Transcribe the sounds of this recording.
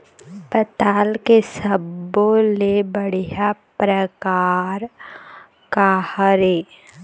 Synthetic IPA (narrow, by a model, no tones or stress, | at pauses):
pət̪aːlkesəbːolebəɽ̤ijapɾəkaːɾ | kahəɾeː